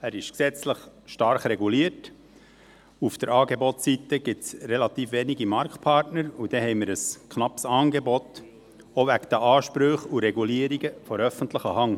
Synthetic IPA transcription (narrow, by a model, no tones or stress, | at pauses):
æɾɪʃksɛt͡sləχʃtɑɾχɾɛɡuliːəɾt | ufd̥̪əɾɑːɡebɔtsit̪əɡ̥ɪsɾelɑt̪iːfʋeːniɡimɑɾktpʰɑɾtnəɾud̥̪ɛhɛɪmɪɾəskχnɑpsɑːnɡebɔt̪ | oʋækd̪əʔɑːʃpɾøχuɾɛɡuliəɾiɡəfɔɾœfənt̪ləχəhɑŋ